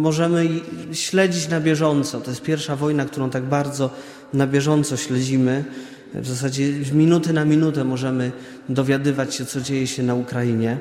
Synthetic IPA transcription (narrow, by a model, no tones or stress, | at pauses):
mɔʐɛmɘɕlɛd͡ʑit͡ɕnabʲjɛʐɔnt̪sɔt̪ɔjɛst̪pʲjɛɾfʂavɔjnakt̪uɾɔ̃w̃t̪aɡ̚baɾd̪zɔ | nabʲjɛʐɔnt̪sɔɕlɛd͡ʑimɘ | vzas̬ad͡ʑɛvmʲinut̪ɘnamʲinut̪ɛmɔʐɛmɘ | d̪ɔvʲjad̪ɘvat͡ɕɕɛt̪sɔd͡ʑejɛɕɛnaukɾajiɲɛ